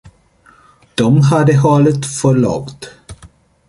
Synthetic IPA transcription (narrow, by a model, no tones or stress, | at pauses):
d̪̥ɔmɦad̪əɦɑːlət̪fœɭɑ̰ɡt̪